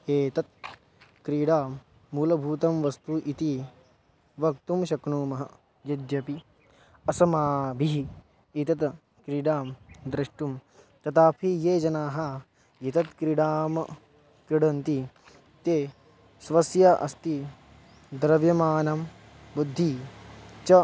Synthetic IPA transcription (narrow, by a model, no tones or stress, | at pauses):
eːt̪ɐt̪̚ | kɾiːɖaː | muːlɐbʱuːt̪ɐmʋɐst̪uʔit̪i | ʋɐk̚t̪umʃɐknuːmɐɦɐ | jɐd̪jɐpi | ɐsɐmaːbʱiɦi | it̪ɐt̪ | kɾiɖaːmd̪ɾɪʂʈum | t̪ɐt̪aːpʰijeːd͡ʒɐnaːɦɐ | jit̪ɐt̪kɾiɽaːmɐ | kɾiɽɐnt̪i | t̪eː | sʋɐsjaʔɐst̪i | d̪ɐɾʋjɐmaːnɐm | bud̪ʱːi | t͡ʃɐ